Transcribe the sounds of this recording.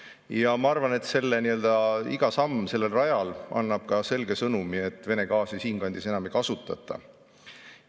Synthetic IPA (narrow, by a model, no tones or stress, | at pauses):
jɑmɑɑrvɑne̞t̪se̞lːe̞niø̞ld̪ɑiɡ̥ɑsɑmːse̞lːe̞lrɑjɑlʔɑ̰nːɑb̥̚kɑse̞lɡe̞sɤnumie̞t̪ˑːve̞ne̞kɑːsisiːnkɑnʲd̪̥ise̞nɑmikɑsut̪ːˑɑ̰t̪ˑːɑ̰